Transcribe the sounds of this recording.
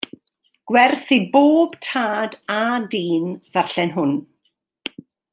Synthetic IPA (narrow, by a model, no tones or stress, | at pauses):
ɡ̥wɛrθiboːb̥tʰaːdadiːnvaɬɛnɦʊn